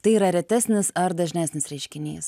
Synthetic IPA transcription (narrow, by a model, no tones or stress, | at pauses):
t̪ɐɪiːɾɐɾʲɛt̪ʲæːsʲnʲɪsɐɾd̪ɐʒʲnʲæːsʲnʲɪsɾʲɛɪʃʲkʲɪnʲḛːs